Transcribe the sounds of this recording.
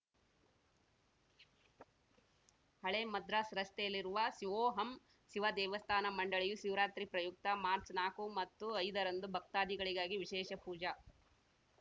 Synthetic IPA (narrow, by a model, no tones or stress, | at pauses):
hɐɭemɐd̪ɾasɾɐst̪ɛjɐlːiɾuʋɐʃiʋoːɦɐm | ʃiʋɐd̪ɛːʋɐst̪ʰaːnɐmɐɳɖɐɭijuʃiʋɾaːt̪ɾipɾɐjuk̚t̪ɐmaːɾt͡ʃnaːkumɐt̪ːuɐjd̪ɐɾɐnd̪ubʱɐk̚t̪aːd̪iɡɐɭiɡaːɡiʋiʃɛːʃɐpuːd͡ʒɐ